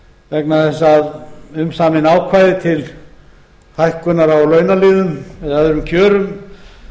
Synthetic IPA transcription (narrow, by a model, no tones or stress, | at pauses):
vɛknaθɛsːaðʏmsaːmɪnaːwkʰvaːjðɪt̪ʰɪl | hajhkʏnːaɾawlœːɥnaliːðʏmɛðaðɾʏmcʰœːɾʏm